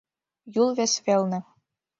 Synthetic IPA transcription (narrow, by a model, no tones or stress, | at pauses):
julˠβĕsβelʲnɘ̆